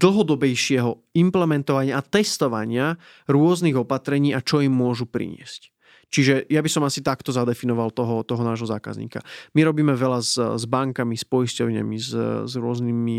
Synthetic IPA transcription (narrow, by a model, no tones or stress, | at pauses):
d̪l̩ɦɔd̪ɔbɛjʃɪɛɦɔ | implɛmɛnt̪ɔʋaɲɪaʔːt̪ɛst̪ɔʋa̰ɲɪa | ɾʊɔzniɣɔpat̪ɾɛɲiːat͡ʃɔimːʊɔʒupɾḭɲɪɛ̰sc | t͡ʃiʒɛjabisɔmasit̪akt̪ɔzad̪ɛfinɔʋalt̪ɔɦɔt̪ɔɦɔnaːʒɦɔza̰ːka̰zɲḭːka̰miɾɔbiːmɛʋɛlazzbaŋkamispɔjiscɔʊɲa̰mizzɾʊɔznimi